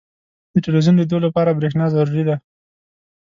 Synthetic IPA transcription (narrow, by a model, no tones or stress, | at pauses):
d̪̥əʈɪlwizund̪əd̪olapɑɾabɾexnɑzaɾuɾid̪a